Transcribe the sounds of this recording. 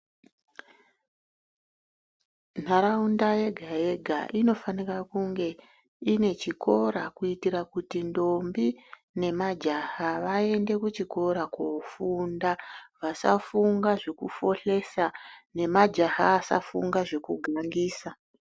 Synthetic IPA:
n̤aɾaundaje̞ɡʱae̞ɡʱa̰ʔino̞fanirakuŋɡe̞ | ine̞t͡ʃikʰo̞ɾakuitiɾakutindo̞mbi | ne̞mad͡ʒahaʋae̞nde̞kut͡ʃiko̞ɾakofundaʋasa̰fuŋɡaʐekufo̞ɬe̞sane̞mad͡ʒaha̰ːsa̰fuŋɡaʐe̞kuɡʱaŋɡiːsa

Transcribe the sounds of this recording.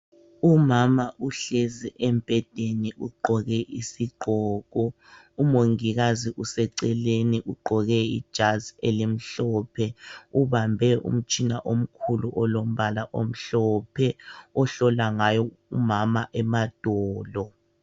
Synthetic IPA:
umamaʔuɬeziʔɛmpʼɛd̥ʱeniʔuɡ͡ǃʱɔɣɛʔisiɡ͡ǃʱɔːɣ̥̬ɔ | umoŋiɣaziʔusɛǀɛleniʔuɡ͡ǃʱɔɣɛḭd̥ʒ̥ʱazelim̩ɬɔpʰɛuβambʱɛṵm̩t͡ʃʼinaʔom̩kʰuluʔɔlom̩βalaʔom̩ɬɔpʰɛɔɬɔlaŋajɔ | umamaʔɛmad̥ʱɔːlɔ

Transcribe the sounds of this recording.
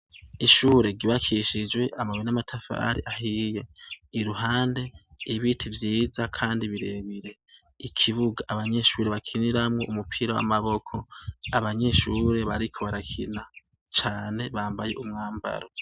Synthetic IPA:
iʃuːɾe̞ɡiβakʰiʃid͡ʒwe̞ʔamawinamatʰafa̰ɾḭʔaɦije̞iɾuɦaːnde̞iβitʰivjiːzakʰaːndiβiɾeβiɾe̞ | ikʰiβuɡaʔaβaɲe̞ʃuːɾe̞βakʰiniɾamŋo̞̰ʔumupʰiɾawa̰maβo̞kʰo̞aβaɲe̞ʃuɾe̞βaɾikʰo̞βaɾakʰḭna | t͡ʃaːne̞βaːmbaje̞̰ʔumŋaːmba̰ɾo

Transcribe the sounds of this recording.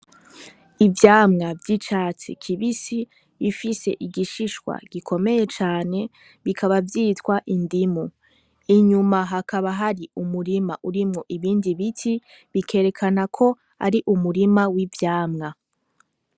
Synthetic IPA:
ivjaːmŋavjit͡ʃaːt͡sḭkʰiβisiː | fise̞ʔiɡiʃiʃwa̰ɡ̥ikʰo̞me̞je̞t͡ʃaːne̞ | βikʰaβavjiːtkwaʔindimu | iɲumaɦakʰaβaɦaɾiumuɾimaʔuɾimŋoʔiβiːndiβitʰi | βikʰe̞ːɾe̞kʰanakʰo̞ | a̰ɾiʔumuɾimawivjaːmŋa

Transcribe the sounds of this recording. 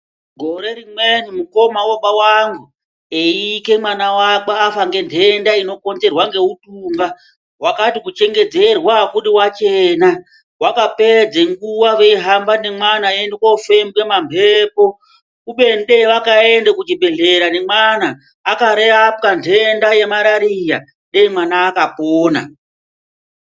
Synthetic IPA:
ɡʱo̞ɾe̞ɾimwen̤umuko̞mawoɓawaŋɡu | eike̞mwanawaɓaafaŋɡe̞ntʰe̞ndaino̞ko̞nd͡ze̞rwaŋɡe̞utuːŋɡa | wakatikut͡ʃe̞ŋɡe̞d͡ze̞rwakuɗiwat͡ʃeːna | wakape̞d͡zeŋɡuwaʋe̞iɦambanemwanaendekoufembwe̞mambʱepo̞ | uɓe̞nɗeʋakae̞ndekud͡ʒibʱe̞ɮe̞ɾanemwanaː | kaɾeap̚kantʰendaje̞maɾaɾija | ɗeimwanaːkapoːna̰

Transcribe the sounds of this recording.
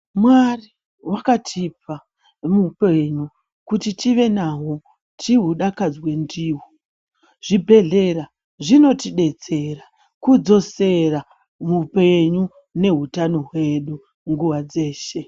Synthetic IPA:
mwari | wakatʰipa | mupeɲu | kutitiʋe̞naɦo | tʰiɦuɗakad͡zwe̞ndiːwo | ʐ̥ibʱe̞ɮe̞ɾa | ʐino̞tiɗe̞t͡se̞ra | kud͡zo̞se̞ra | mupe̞ɲu | ne̞ɦutano̞ɦwe̞ɗu | ŋɡuʋad͡ze̞ːʃe̞

